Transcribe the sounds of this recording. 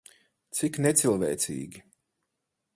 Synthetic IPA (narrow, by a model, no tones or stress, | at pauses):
t̪siknet̪silˠvɛjt̪sḭːɡʲi